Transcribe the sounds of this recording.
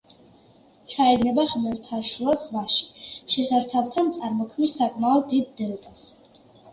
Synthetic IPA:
t͡ʃʰaɛɾnɛbaχmɛɾt̪ʰaɾʃuasʁvaʃi̥ʃɛsaɾt̪ʰavt̪ʰant̪sʼaɾmɔkʰmisːakʼmaɔd̪id̪̚ːɛlˠt̪ʼas

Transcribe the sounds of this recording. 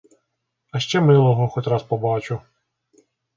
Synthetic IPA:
ɐʃt͡ʃɛmɪlˠɔɦɔxɔtʲrɑspɔbɑt͡ʃʊ

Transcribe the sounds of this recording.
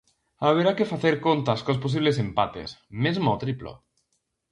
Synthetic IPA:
aβ̞eɾakefaθeɾkont̪askos̬pos̬iβ̞les̬empat̪ḛsmezmot̪ɾiplo̰

